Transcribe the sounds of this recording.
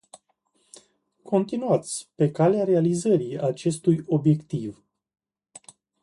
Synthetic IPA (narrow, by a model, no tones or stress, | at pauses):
kʰo̞nt̪inuat̪sʲpe̞kaleaɾe̞alizəɾiat͡ʃe̞st̪ujo̞bje̞kt̪iv